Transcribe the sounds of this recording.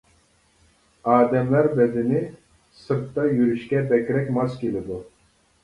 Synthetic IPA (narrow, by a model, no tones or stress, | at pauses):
ɑːd̪ɛmlæɾbɛd̪ɪnɪ | sɨɾt̪ːɑjyɾyʃkʲɛbɛkʲɾɛkʲmɑskʲelɪd̪u